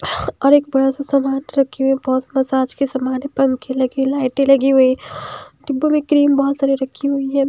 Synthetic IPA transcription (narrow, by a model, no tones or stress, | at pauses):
ɔːɾeːk̚bɐɽasasamaːnɾɐkʰːiɦuibɔːt̪mɐsaːd͡ʒkisɐmaːnɛ̃pɐ̃ŋkʰelɐɡilaːɪʈẽlɐɡiɦʊi | ɖɪbomẽkɾiːmbɔɦːt̪saːɾiɾɐkʰːiɦʊiɦɛː